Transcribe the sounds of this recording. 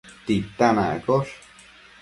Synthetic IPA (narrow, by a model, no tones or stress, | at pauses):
t̪it̪anakoʂ